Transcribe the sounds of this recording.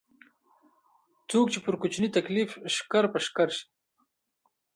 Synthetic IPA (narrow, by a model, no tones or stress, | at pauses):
t͡sok̚t͡ʃepəɾkʊt͡ʃnit̪aklifʃkaɾpəʃkaɾʃi̥